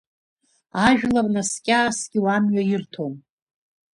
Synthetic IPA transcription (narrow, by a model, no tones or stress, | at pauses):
aʒᶣlarnaskʲʼaːsɡʲɪwamɥajɪrtʰom